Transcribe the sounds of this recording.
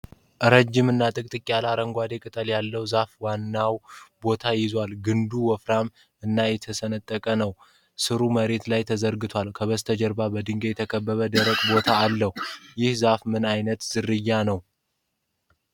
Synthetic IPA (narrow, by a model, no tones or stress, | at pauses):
ʔɨɾəd͡ʒːɪmɨnːat̪ʼɨkʼt̪ʼɨkʼːialaɾəŋɡʷad̪e̞kʼɨt̪ʼəljalːəwzafwanːawbo̞t̪ʰajɪzwalɡɨnd̪uwɔfɾam | ɨnːajɛt̪ʰəsənət̪ʼːəkʼənəw | sɨɾuməɾe̞t̪lajt̪ʰəzəɾɡɨt̪ʰʷalkʰəβəst̪ʰəd͡ʒəɾbabəd̪ɨŋɡejɛt̪ʰəkʰəbːəβəd̪əɾəkʼbo̞t̪ʰaːlːəhujɪhzafmɨnajnət̪z̥ɨɾːɨjːanəw